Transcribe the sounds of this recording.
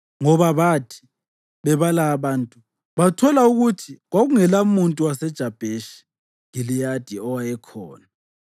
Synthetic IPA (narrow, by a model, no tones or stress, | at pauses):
ŋɔβaβatʰi̥ | βɛβalaːβaːntʼu | βatʰɔlauɣutʰiɣwaɣuŋɛlamuntʼuwasɛd̥ʒ̥ʱab̥ʱeʃi̥ | ɣilijad̥ʱiɔwajɛkʰɔːna